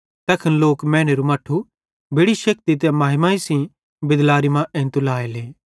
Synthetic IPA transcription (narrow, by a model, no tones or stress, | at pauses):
t̪ɛːkʰənloːkmɛ̃ːñeɾumɐːʈʰːu | bʱeɽiʃɐk̚t̪it̪̬emaːɦɪmaːisĩ | bɪd̪laːɾimãʔɛ̃ːnt̪ulaːeleː